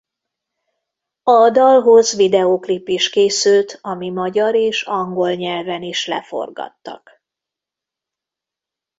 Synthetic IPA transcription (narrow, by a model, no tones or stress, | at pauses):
ɒd̪ɒlɦo̞zʋid̪ɛoklipːiʃkeːsylt̪ɒmimɒɟɒɾeːʃɒŋɡo̞lɲɛlvɛniʃlɛ̰fo̰rɡɒ̰t̪ːɒ̰k